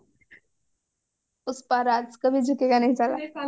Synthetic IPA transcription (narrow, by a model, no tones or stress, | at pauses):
ʊspaɾaːt̪skɐbʱid͡ʒʱʊkeɡanɐɦĩt͡ʃala̰